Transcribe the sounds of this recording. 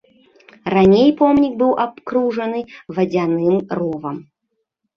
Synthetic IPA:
ranʲejpɔmnʲik̚bɨwʔapkɾuʐɐnɨvɐd͡zʲanɨmruvɐm

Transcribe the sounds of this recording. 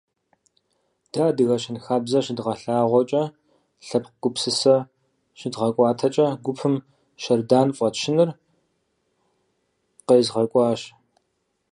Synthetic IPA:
d̥aːdɨɣɐɕɪnxaːbzɐɕɪdʁɐɬaːʁʷɔt͡ʃʼɐ | ɬɐpqɡ̥ʷʊpsɨsɐ | ʃɪdʁɐkʷʼɑːtʰɐt͡ʃʼɐɡʷʊpʰɨm | ʃɐrdaːnfʼɐtʃɪnɨr | qeːzʁɐkʷʼɑːɕ

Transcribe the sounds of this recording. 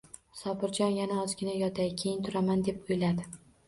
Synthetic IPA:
sɒpɪɾd͡ʒɒnjanaɒzɡʲɪnajɒt̪ʰajkʲʰejɪnt̪ʰʊɾamand̪e̞pojlad̪ɪ

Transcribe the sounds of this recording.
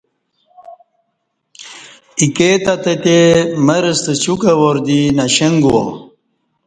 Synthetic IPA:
iket̪ɐt̪ət̪emɐɾəst̪ət͡ɕukɐwoɾd̪inɐɕeŋɡwo̰

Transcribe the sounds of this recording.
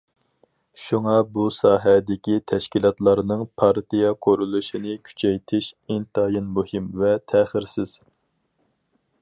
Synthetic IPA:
ʃuŋɑbusɑːɦɛd̪ɪkʲit̪ʰɛʃkʲilˠɑt̪lˠɑɾnɨŋpʰɑɾt̪ʰijɑqʰoɾulˠuʃinɪkʲʰy̥t͡ʃʰɛjt̪ʰɪʃint̪ɑjɨnmuhimvɛt̪ʰæχɪɾsɪz̥

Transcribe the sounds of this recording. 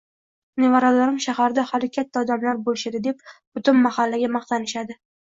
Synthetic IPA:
nevaɾalaɾɪmʃahaɾd̪ahalɪkʲʰat̪ʰːaɒd̪amlaɾbolɪʃad̪ɪd̪e̞p̚b̥ʊt̪ʊnmahalːaɡʲamɑχt̪ʰanɪʃad̪ɪ

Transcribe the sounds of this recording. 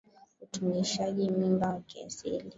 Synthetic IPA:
utumiʃaʄimimbawakia̰sḭli

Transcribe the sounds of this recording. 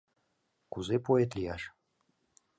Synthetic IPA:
kuzepoet̪lʲijɑʃ

